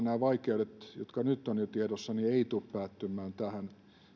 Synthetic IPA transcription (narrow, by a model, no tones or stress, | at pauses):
næːʋɑikeodet̪jo̰t̪kɑnyt̪ːonjot̪iedosːɑnieit̪uppæːt̪ːymːˑæːnt̪æhæn